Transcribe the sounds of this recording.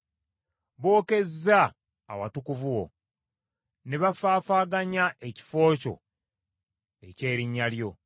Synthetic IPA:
βo̞ːke̞zːa̰ː | watukuvuwo̞̰ | ne̞βafaːfaːɡaɲaʔe̞ci̥fo̞ːco̞̰ | e̞ce̞ːɾiɲːaljo̞

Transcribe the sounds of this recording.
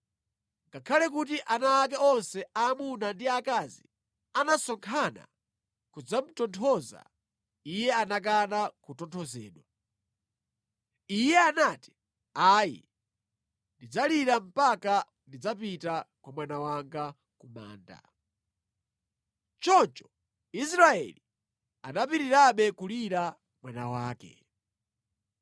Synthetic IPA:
ŋɡakʰalɛk̬ut̬iʔanaːk̬ɛɔnsɛaːmunandiakazi | anasɔŋkʰana̰ | kud͡zam̩tɔntʰɔza̰ | ijɛanak̬anakutɔntʰɔzɛ̰ːɗwa | ijɛanaːti̥ | ajḭ | ndid͡zaliɾam̩paka | ndid͡zapitakwamwanawaŋɡa | kuma̰ːnda̰ | t͡ʃɔnt͡ʃɔ̥ | isɾaɛ̰li | anapiɾiɾaɓɛkuliɾa | mwanawaːkɛ̰

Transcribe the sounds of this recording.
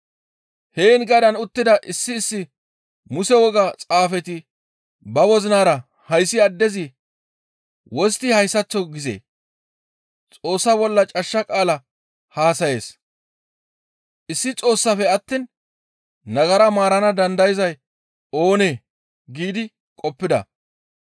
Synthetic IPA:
heːnɡɐd̪ɐnʊt̪ːɪd̪ɐʔɪsːɪːsːɪ | mʊsɛwɔɡɐt͡sʼaːfɛt̪ɪ | bɐwɔzɪnaːɾɐ | hɐjsːɪɐd̪ːɛzɪ | wɔst̪ɪhɐjsːɐt͡sːɔɡɪzḛː | t͡sʼo̞ːsːɐbɔlːɐt͡ʃʼɐʃːɐkʼaːlɐ | haːsɐje̞̰ːs | ʔɪsːɪt͡sʼo̞ːsːɐfɛɐt̪ːiːn | nɐɡɐɾɐmaːɾɐnɐd̪ɐnd̪ɐjɪzɐj | o̞ːneː | ɡiːd̪ɪ | kʼɔpːɪd̪ɐ̰

